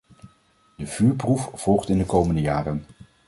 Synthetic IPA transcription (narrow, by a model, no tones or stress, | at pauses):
d̥əv̥yːɹprufv̥ɔlˠχtɪndəkowməndəjaːrən